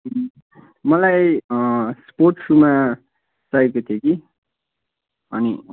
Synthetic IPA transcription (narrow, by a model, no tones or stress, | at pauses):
mʌlaj | spoʈsuma | sajkot̪ʰieki | ʌni